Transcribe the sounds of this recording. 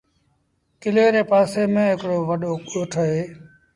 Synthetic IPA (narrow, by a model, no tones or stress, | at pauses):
kɪleːɾeːpaːseːmẽːɦɪkɽoːʋəɗoːɠoːʈʰoɦeː